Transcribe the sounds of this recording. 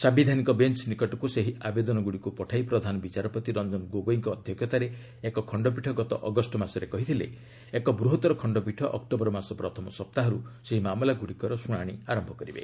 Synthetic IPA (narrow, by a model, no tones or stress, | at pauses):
sabid̪ʱanikɔbent͡ʃnikɔʈɔkuseɦiabed̪ɔnɔɡuɽikupɔʈʰajpɾɔd̪ʱanɔbit͡ʃaɾɔpɔt̪iɾɔnd͡ʒɔnɡoɡoiŋkɔːd̪ʱjɔɡʰjɔt̪aɾe | ekɔkʰɔɳɖɔp̬iʈʰɔɡɔt̪ɔ̰ʔɔɡɔsʈɔmasɔɾekɔɦit̪ʰilḛ | ekɔbɾuɦɔt̪ɔɾɔkʰɔɳɖɔpiʈʰɔʔɔkʈɔbɔɾɔmasɔpɾɔt̪ʰɔmɔsɔp̚t̪aɦɔɾuseɦimamɔlaɡuɽikɔɾɔsuɽ̃aɽ̃iaɾɔmbʱɔkɔɾibḛ